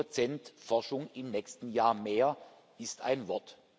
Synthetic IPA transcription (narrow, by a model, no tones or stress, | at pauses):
ot͡sɛntfɔɐʃʊŋɪmnɛːçstn̩jaːɐmeːɐ | ɪstʰa̰ɪnvɔɐt